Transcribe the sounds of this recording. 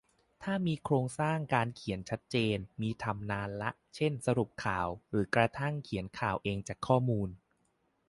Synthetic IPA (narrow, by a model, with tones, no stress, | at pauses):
t̪ʰaː˥˩miː˧kʰɾoː˧ŋsaː˥˩ŋkaː˧nkʰi˩˦ənt͡ɕʰa˦˥t̪̚t͡ɕeː˧nmiː˧t̪ʰa˧mnaː˧nla˦˥ʔt͡ɕʰe˥˩nsa˧ɾu˨˩p̚kʰaː˨˩wɾɯː˩˦kɾa˧t̪ʰa˥˩ŋkʰi˩˦ənkʰaː˨˩wʔeː˧ŋt͡ɕaː˨˩kʰːɔː˥˩muː˧n